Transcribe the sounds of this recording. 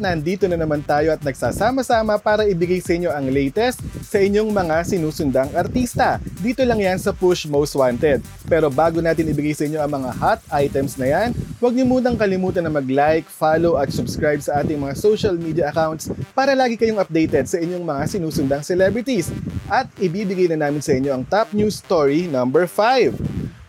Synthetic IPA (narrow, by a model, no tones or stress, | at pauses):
nɐɐnd̪iːt̪onɐnɐmant̪aːjo̞ʔɐt̪̚nɐɡ̚saːsaːmɐsaːmɐpaːɾɐʔɪbɪɡajsɐʔɪɲːo̞ʔɐŋlɛjt̪ɛst̪̚sɐʔɪɲo̞ŋmɐŋasɪnuːsʊnd̪ɐŋʔɐɾt̪ist̪ɐd̪iːt̪o̞lɐŋjansɐpʊʃmowst̪̚want̪ɛd̪̚ | pɛːɾo̞baːɡo̞naːt̪ɪnɪbɪɡajsɐʔɪɲo̞ʔɐŋmɐŋahat̪̚ʔajt̪ɛmsnɐjanwɐɡ̚lɪmuːt̪̬ɐŋkɐlɪmuːt̪ɐnɐmɐɡlajkfaloʔɐt̪̚sʊbskɾajb̚sɐʔaːt̪ɪŋmɐŋasowʃɐlmiːd̪jɐʔɐkawnt̪spaːɾɐlaːɡɪkɐjo̞ŋɐp̚d̪ɛjt̪ɛd̪̚sɐʔɪɲo̞ŋmɐŋasɪnuːsʊnd̪ɐŋsɛlɛbɹɪt̪isʔɐt̪̚ɪbiːbɪɡajnɐnaːmɪnsɐʔɪɲːo̞ʔɐŋt̪ap̚njuːst̪oɹinɐmbɛɹfajv